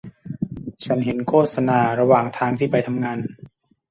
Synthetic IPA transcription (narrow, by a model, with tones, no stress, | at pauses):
t͡ɕʰa˦˥nɦe˩˦nkʰoː˥˩t̪̚sa˧naː˧ɾa˧waː˨˩ŋt̪ʰaː˧ŋt̪ʰiː˥˩pa˧jt̪ʰa˧mŋaː˧n